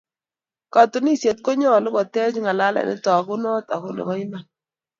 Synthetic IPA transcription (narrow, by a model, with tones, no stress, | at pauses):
ka˨tu˨˦ni˦se˨t̚ko˦ɲɔ˦˨lɪ˦kɔ˨tɛ˦t͡ʃŋa˨la˦la̰˨nɪ̰˦tɔ˨ku˦nɔ˦ta˨ko˦nḛ˨kɔ˦i˦ma˨n